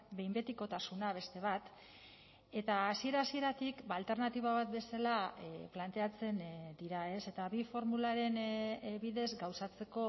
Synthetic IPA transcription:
be̞jmbe̞t̪iko̞t̪asunaβ̞e̞st̪e̞β̞at̪ | e̞t̪aːsie̞ɾasie̞ɾat̪ikbalt̪e̞ɾnat̪iβ̞aβat̪be̞salaplant̪e̞at͡se̞nd̪iɾae̞se̞t̪aβifo̞ɾmulaɾe̞nβiðe̞zɡawsat͡se̞ko̞

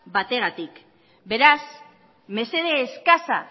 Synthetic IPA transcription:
bat̪e̞ɣ̞at̪ik | be̞ɾas | me̞se̞ðeːskasa̰

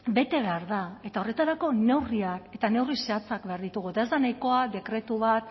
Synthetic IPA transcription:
be̞t̪e̞β̞e̞aɾðae̞t̪ao̞re̞t̪aɾako̞ne̞wriake̞t̪ane̞wrise̞at͡sak̚be̞aɾðit̪uɣuet̪ae̞zd̪anajko̞ade̞kɾe̞t̪uβat̪

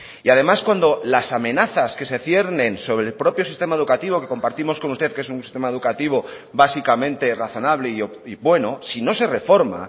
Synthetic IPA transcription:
iað̞e̞maskwand̪o̞lasamẽ̞naθaske̞se̞θje̞ɾnẽnso̞βɾelpɾo̞pjosist̪e̞mae̞ð̞ukat̪iβo̞ke̞ko̞mpaɾt̪imo̞sko̞nust̪e̞θkesunsist̪e̞mae̞ð̞ukat̪iβ̞o̞ | βasikamẽ̞nt̪e̞raθo̞naβ̞le̞io | iβwe̞no̞sino̞se̞re̞fo̞ɾma̰

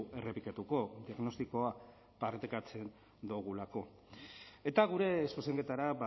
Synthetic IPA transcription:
e̞repikat̪uko̞d̪iaɣno̞st̪iko̞a | paɾt̪ekat͡se̞n | d̪uɣ̞ulako̞ | e̞t̪aɣ̞uɾe̞suse̞ŋɡe̞t̪aɾaba

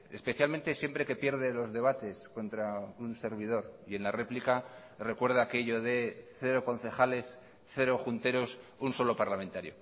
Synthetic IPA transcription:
e̞spe̞θjalmẽnt̪e̞sje̞mpɾe̞ke̞pje̞ɾðe̞lo̞zðe̞β̞at̪e̞sko̞nt̪ɾaunse̞ɾβ̞ið̞o̞ɾie̞nlare̞plika | re̞kwe̞ɾð̞aːke̞ʝo̞ðe̞θe̞ɾo̞ko̞nθe̞xale̞s | θe̞ɾo̞xunt̪e̞ɾo̞sunso̞lo̞paɾlamẽnt̪aɾjo̞

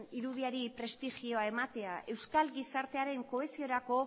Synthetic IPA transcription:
niɾuðiaɾipɾe̞st̪iʝio̞ae̞mat̪e̞aʔe̞wskalɡisaɾt̪e̞aɾe̞ŋko̞e̞sio̞ɾako̞

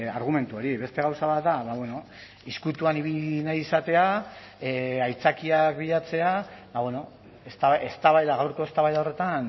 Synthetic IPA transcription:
aɾɣ̞ume̞nt̪uo̞ɾiβe̞st̪e̞ɣawsaβat̪d̪aβaβwe̞no̞ | iskut̪uaniβinajisat̪e̞a | ajt͡sakiakbiʎat͡se̞abaβweno̞ | est̪aβest̪aβajðaɣawɾko̞e̞st̪aβajðao̞re̞t̪an

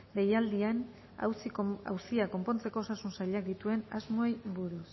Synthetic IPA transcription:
ɡe̞jald̪ian | a̰wsia̰wsiako̞mpo̞nt͡se̞ko̞ːsasunsaʎeak̚d̪it̪ue̞nazmoejbuɾus

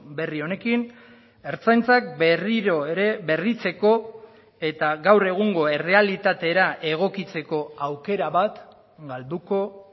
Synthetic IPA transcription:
be̞rio̞ne̞kin | e̞ɾt͡sajnt͡sak̚beriɾo̞eɾeβe̞rit͡se̞ko̞ | e̞t̪aɡawre̞ɣ̞uŋɡo̞e̞re̞alit̪at̪e̞ɾaʔe̞ɣ̞o̞kit͡se̞ko̞awke̞ɾaβat̪ | ɡald̪uko̞

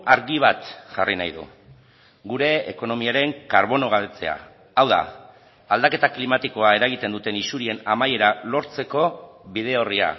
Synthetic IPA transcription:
aɾɣiβ̞at̪ʝarinajðṵ | ɡuɾe̞ːko̞no̞miaɾe̞ŋkaɾβo̞no̞ɣ̞aβet͡se̞̰a̰ | awða̰ː | ld̪ake̞t̪aklimat̪iko̞ae̞ɾaɣ̞it̪e̞nd̪ut̪e̞nisuɾie̞namaje̞ɾalo̞ɾt͡se̞ko̞βiðe̞oria̰

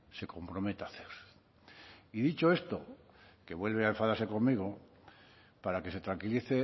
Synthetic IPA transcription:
se̞ko̞mpɾomet̪aθeɾ | iðit͡ʃoe̞st̪o | ke̞βwe̞lβ̞eaeɱfaðaɾseko̞mmiɣ̞o | paɾake̞se̞t̪ɾaŋkiliθe

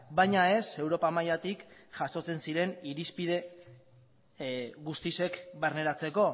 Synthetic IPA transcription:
bajɲae̞se̞wɾo̞pamajat̪ikʝaso̞t͡se̞nsiɾe̞niɾispið̞e̞ | ɣust̪ise̞kbaɾne̞ɾat͡se̞ko̞

